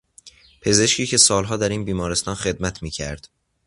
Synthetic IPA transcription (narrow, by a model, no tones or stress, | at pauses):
pʰe̞ze̞ʃcʰiːcʰe̞sɒːlɦɒːd̪æɾiːnbiːmɒːɾe̞st̪ɒːnxe̞d̪mæt̪ʰmiːcʰæɾd̪̥